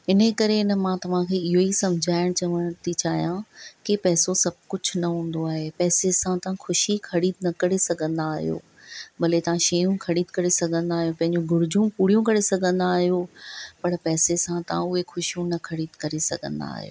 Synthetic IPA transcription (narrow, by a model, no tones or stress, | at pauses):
ɪnəkɐɾeɪnə̆mãːt̪ɐʋ̤ãkʰeːɪɦoisɐ̃md͡ʑʱaːɪɽ̃t͡ɕɐʋəɽ̃t̪ʰit͡ɕaːɦijãkɪpɛːsosɐb̚ʱkʊd͡ʑʰʱʊnɐɦũːn̆d̪oaːɦepɛːsesãt̪ɐʋ̤ãxʊʃixʰɐɾiːd̪nɐkɐɾesɐɡʱə̃nd̪aːɦijo̰ː | bɐlet̪ɐʋ̤ãʃɐjũkʰɐɽiːd̪kɐɾesɐɡʱə̃nd̪aːɦijõpɐ̃ɦɪ̃ɲd͡ʑũɡʱʊɾɪd͡ʑʱũpuːɽijũkɐɾesɐɡʱə̃nd̪aːɦijopɐɽpɛːsesãt̪ɐʋ̤ãʊɦexʊʃijũnɐkʰɐɾiːd̪kɐɾesɐ̰ɡʱə̰̃nd̪a̰ːɦijo̰ː